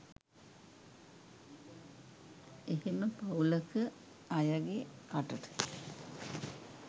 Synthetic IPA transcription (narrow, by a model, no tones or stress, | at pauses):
eɦeməpauləkə | ajaɡekaʈəʈə̥